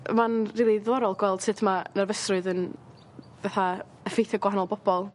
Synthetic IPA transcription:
manriːlˠiðɔɾɔlˠɡwɛlˠd̥sɨtʰmanarvəsrʊɨðən | vɛθa | əfejθəɡwaɦanɔlˠbɔb̥ɔlˠ

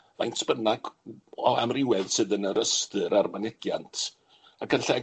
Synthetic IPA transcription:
ma̰jnspənaɡɔa̰mrɪwɛðsɨðənəɾəstɨɾarmanɪɡ̥jantʰ | akʰənɬɛ

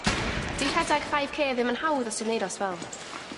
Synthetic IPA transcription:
d̥iːr̥ɛdaɡ̥fajv̥kʰeːðɪmənhawðɔsɨdnejdɔsvɛlˠ

